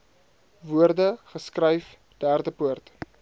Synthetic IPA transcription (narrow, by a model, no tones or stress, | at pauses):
vuərdəχəskrəjf | d̥æːrdəpuərt